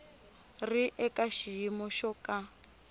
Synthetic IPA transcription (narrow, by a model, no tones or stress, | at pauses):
riʔɛkʼaʃijimɔʃɔkʼa